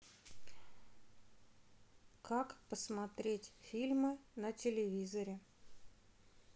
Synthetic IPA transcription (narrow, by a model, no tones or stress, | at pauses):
kakpəsmɐt̪ɾʲetʲfʲilʲmɨnətʲɪlʲɪvʲizəɾʲɪ